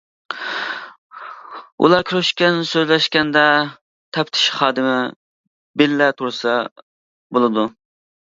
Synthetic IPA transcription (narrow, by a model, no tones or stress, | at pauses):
ṵlˠɑɾkʲʰyɾyʃkʲɛnsøzlɛʃkʲɛnd̪ɛ | t̪ʰɛpt̪ʰɪ̥ʃχɑːd̪ɨmɪ | bɪlːɛt̪ʰuɾsɑ | bolˠɨd̪u